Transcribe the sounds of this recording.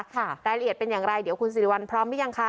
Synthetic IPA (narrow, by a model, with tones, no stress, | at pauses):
ɾaː˧jɾa˧ʔi˨˩ət̪̚pe˧njaː˨˩ŋɾa˧jdi˨˩˦əwkʰu˧nsi˨˩i˦wa˧npʰɾɔː˦˥mːa˦˥ja˧ŋkʰa˦˥